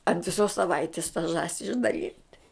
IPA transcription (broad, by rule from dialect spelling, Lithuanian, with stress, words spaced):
ɐnt ʋʲɪˈsoːs sɐˈʋɐɪtʲɪs tɐ ˈʒɑːsʲɪ ɪʒdɐˈlʲiːnʲtʲ